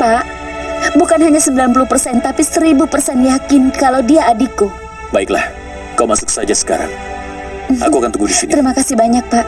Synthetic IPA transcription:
paʔ | bukanɦaɲasəbilanp̬uluhpərsɛnt̪apisəɾibupərsɛnjakɪnkalawdiaːdiku | baɪkla̰h | kamasʊ̥ksad͡ʒasə̥ka̰ɾa̰ŋ | m̩a̰kuakant̪uɡudisiniəɾimakasihbaɲak̚paʔ

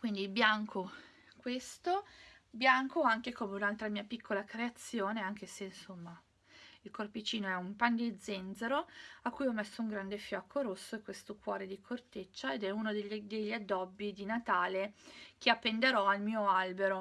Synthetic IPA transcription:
kwind̪ibjaŋkʰo | kwest̪objaŋkoaŋkekoːmeunalt̪ɾamiːapikʰːolakɾeat̪sːjoːneaŋk̟eseinsomːa | ilkorpit͡ʃiːnoɛumpand̪id̪zend̪zeɾoakːujɔmːesːouŋɡɾand̪efjɔːkʰːoɾosːoekːwest̪okwɔːɾed̪ikʰort̪et͡ʃːaed̪ɛunod̪eʎd̪eʎːad̪ːɔbːid̪inat̪aːlek̟ʰeapːend̪eɾɔalmiːoalbeɾo

